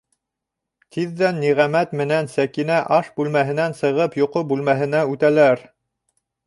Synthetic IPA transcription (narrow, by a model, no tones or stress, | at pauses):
t̪ʰiðːænːiʁæmæt̪mɘ̆nænsækinæʔɑʃbʉlmæɦɘ̆nænsɤ̆ʁɤpjoqobʉlmæɦɘ̆næʉt̪ælæɾ